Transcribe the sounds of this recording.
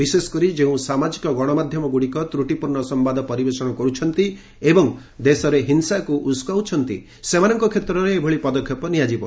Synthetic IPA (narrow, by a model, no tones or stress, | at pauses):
bisesɔ̥kɔɾid͡ʒeũsamad͡ʒikɔɡɔɽ̃ɔmad̪ʱjɔmɔɡuɽikɔt̪ɾuʈipuɾɳɔsɔmbad̪ʱɔpɔɾibesɔɽ̃ɔkɔɾut͡ʃʰɔnt̪i | ebɔŋ | d̪esɔɾeɦinsakuʔuskawt͡ʃʰɔnt̪ḭ | semanɔŋkɔkʰet̪ɾɔɾeːbʱɔɭipɔd̪ɔkʰjɔpɔnijad͡ʒibɔ